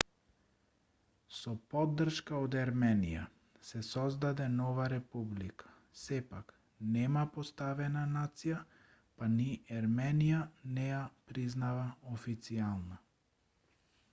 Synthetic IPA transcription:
sɔpɔd̪ːr̩ʃkaod̪ɛɾmɛnḭja̰ | sɛsɔzd̪ad̪ɛnɔvaɾɛpublikʰḁ | sɛpak | nɛmapost̪avɛnanat̪sija | paniaɾmɛnijanɛjapɾiznavaofit̪sialˠna

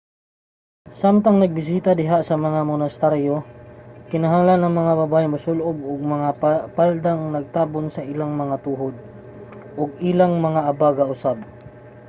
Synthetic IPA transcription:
samt̪ɐŋnɐɡ̚bɪs̬iːt̪ad̪ɪɦasɐmɐŋamonɐst̪ɛɾjokɪnɐɦaŋlanːɐŋmɐŋabɐbaːʔɪmʊsʊlʔob̚ʊɡ̚mɐŋapald̪aŋnɐɡ̚t̪aːbonsɐʔɪlaŋmɐŋat̪uːɦod̪̚ | ʔoɡ̚ɪlaŋmɐŋaʔɐbaɡɐʔʊsab̚

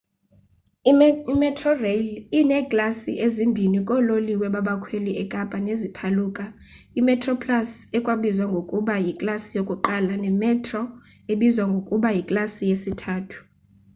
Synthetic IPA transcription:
imɛtʰrɔrelinɛkʼlasḭʔezimbʱinikʼɔloliwɛɓaɓakʰweliʔɛkʼapʼanezipʰaluːkʼa | imɛtʰʼrɔpʰʼlasɛkʼwaɓizwaŋɡʱokʼuɓajikʼlasijokʼuǃalanɛmɛtʰrɔ | eɓizwaŋɡʱokʼuɓajikʼlasijesitʰaːtʰu̥

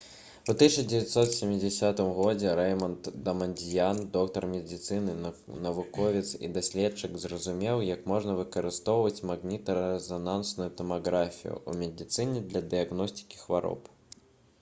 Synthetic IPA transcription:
ut̪ɨt͡ʂɐd͡zʲɛvʲat̪sɔt̪sʲɪmʲːid͡zʲɛsʲat̪ɨmɣɔd͡zʲɛɾɛjmɐnt̪d̪ɐmɐnʲdʲijand̪ɔkt̪ɐrmʲɛd̪ʲit̪sɨnɨnɐvukɔvʲit̪sḭd̪asʲlʲɛtt͡ʂːɨkzrɐzumʲɛwjɐkmɔʐnɐvɨkɐɾɨst̪ɔwvɐt͡sʲmaɣnʲit̪ɐɾɛzɐnansnujut̪ɐmaɣɾafʲḭjṵṵmʲɛd̪ʲit̪sɨnʲɛd̪lʲɐd̪ɨaɣnɔsʲtʲi̥kʲi̥xvaɾɔ̰p

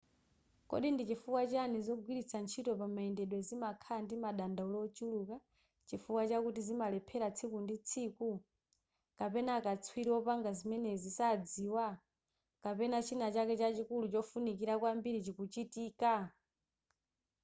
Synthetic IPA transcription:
kɔ̰ɗindit͡ʃifukwat͡ʃanizɔɡwiɾisʰant͡ʃʰitɔpamaɛndɛɗwɛzimakʰandimaɗandaulɔt͡ʃuluka | t͡ʃifukwat͡ʃakutizimalɛpʰɛɾat͡sʰikundit͡sʰiku | kapɛnaːkat͡sʰwiɾiwɔpaŋɡazimɛnɛzisad͡ziːwa | kapɛnat͡ʃʰinat͡ʃakɛt͡ʃat͡ʃikulut͡ʃɔfunikiɾakwambiɾit͡ʃikut͡ʃitiːka

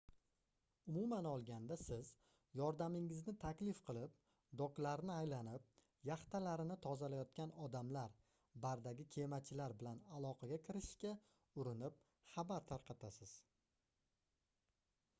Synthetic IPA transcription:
ʊmʊmanɒlˠɡʲand̪asɪz | jɒɾd̪amɪŋɪznɪt̪ʰakʲlɪfqʰɨlˠɪp | d̪ɒklaɾnɪajlanɪp̚ | jaχt̪ʰalaɾɪnɪt̪ʰɒzalajɒt̪̚kʲanɒd̪amlaɾ | baɾd̪aɡʲɪkʲʰe̞mat͡ʃʰɪlaɾbɪlanalˠɒqʰɑɡʲakʲʰɪɾɪʃkʲa | ʊɾɪnɪp̚ | χabaɾt̪ʰaɾqʰɑt̪ʰasɪz̥

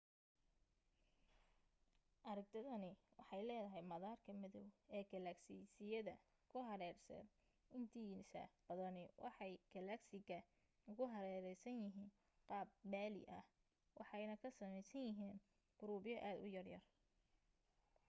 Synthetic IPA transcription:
ʔɐɾɐɡ̚t̪ʰɐðɐnɪwʔɑ̰ħɑjlɛːðɐɦɛjmɐðaːrkʰɐmɪðɔwɛːɡɐlɐksisɪjɐðɐ | kʰʊɦɐɾɛːrsɛ̰d̪ | ɪnt̪ʰiːnsɐ̰bɐðɐnɪwʔɑ̰ħɑjɡ̥ɐlɐksɪɡɐ | ʊɣʊɦɐɾɛːɾɛjsɐnjɪɦiːn | qɑːb̚maːlɪ̰ʔɐh | wʔɑ̰ħɑjnɐkʰɐsɐmɛjsɐnjɪɦiːn | ɡ̥ʊɾuːbɪjɔʔaːd̪ʊ̰jɐrjɐ̰r

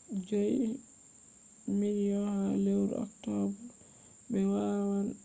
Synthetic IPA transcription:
d͡ʒɔj | minjɔhalewɾ̰ɔ̰ktɔbu | bɛwawan

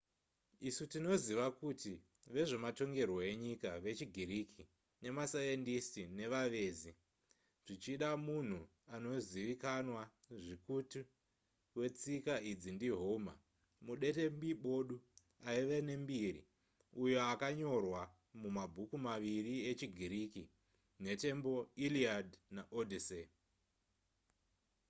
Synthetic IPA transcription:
isutino̞ziʋakuti | ʋe̞ʐe̞mato̞ŋɡe̞rwo̞e̞ɲikaʋe̞t͡ʃiɡʱirikʰi | ne̞masajendistine̞ʋaʋe̞ːzi | ʐ̥it͡ʃiɗamun̤u | ano̞ziʋikanwa | ʐikuti | we̞t͡sikaid͡zindiɦoma̰ | muɗe̞te̞mbiɓo̞ɗu | aiʋene̞mbirḭ | ujo̞akaɲo̞rwa | mumabʱukumaʋiriet͡ʃiɡʱiɾiːki | ne̞te̞mbo̞iliadnaʔodʱise

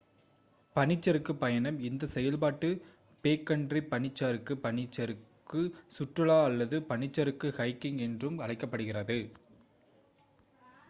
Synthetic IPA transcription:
pɐɳɪt͡ʃːɐɾɯkːɯpːɐjɐnɐmɪnd̪ɐsɛjɐlpaːʈːɯ | peːkːɐɳɖripːɐɳɪt͡ʃːaːɾɯkːɯpɐnɪt͡ʃːɐɾɯkːɯsʊʈrɯɭaːɐlːɐðɯpɐnɪt͡ʃːɐɾɯkːɯhɐɪkːɪŋɛndrɯmɐlɐɪkːɐpːɐɽɯɣɪrɐðɯ

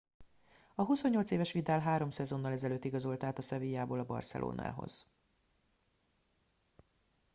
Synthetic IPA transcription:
ɒɦuso̞ɲːo̞lt̪seːvɛʃʋit̪aːlɦaːɾo̞msɛzo̞nːɒlɛzɛløːt̪ːiɡɒzo̞lt̪aːt̪ɒsɛvijaːboːlɒbɒ̰rsɛ̰lʔo̰ːna̰ːɦo̰z̥

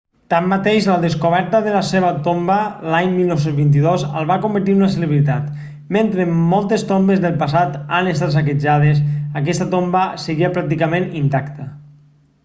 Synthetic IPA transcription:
t̪amːat̪eʃləðeskoβɛɾt̪əðəlaseβət̪ombəlaɲmilˠnowsenzβint̪̬iðozə̰lˠβakombət̪̬iunəseleβɾit̪at̪ | ment̪ɾemɔlˠt̪est̪ombezðelˠpasat̪anest̪at̪s̬ak̬ed͡ʒaðesək̬ɛst̪at̪ombəseɣiapɾak̚t̪̬ikamẽnint̪akt̪ə

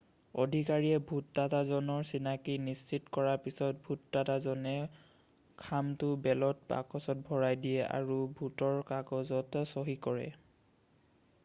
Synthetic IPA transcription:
ɔ̰dʱikaɹiɛbʱutːatazɔnɔɹsinakinist͡ʃitkɔɹaɹpisɔt̚bʱutːatazɔnɛ | kʰamtʊbɛlɔt̚pa̰kɔsɔt̚bʱɔɹajdijɛʔa̰ɹubʱutɔɹkakɔzɔtsɔɦikɔɹɛ̰

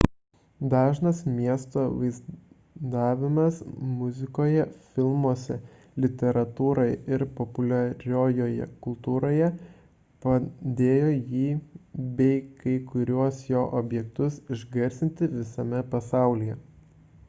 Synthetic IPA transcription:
d̪ɑːʒnɐsmʲiɛst̪oːʋɐɪz | d̪ɑːʋʲɪmɐsmʊzʲɪkoːjɛfʲɪlˠmoɔsʲɛ | lʲɪt̪ʲɛɾɐt̪uːɾoɪɪɾpɔpʊlʲɐɾʲoːjoːjɛ̰kʊlˠt̪uːɾoːjɛ | pɐd̪ʲeːjoːjiːbʲɛɪkɐɪkʊɾʲuɔsjoːʔoːbʲjɛkt̪ʊsɪʒɡɐɾʲsʲɪnʲt̪ʲɪʋʲɪsɐmʲɛpɐsɑˑʊlʲijɛ

